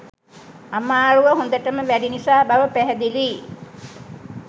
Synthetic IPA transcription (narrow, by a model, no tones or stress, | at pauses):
amaːɾuʋəɦũnd̪əʈəməʋæɖinisaːbaʋəpæɦæd̪iliː